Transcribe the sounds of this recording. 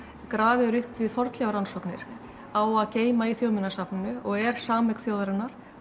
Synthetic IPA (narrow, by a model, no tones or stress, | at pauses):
kɾaːvɪɾʏhpvɪðfɔɾt̪lɛɣaɾansɔwknɪ̰ɾ̥ | awaðceːjmaiθjoːwmɪnːasapnʏnʏɔɣɛɾ̥saːmɛkθjoːwðaɾɪnːaɾ̥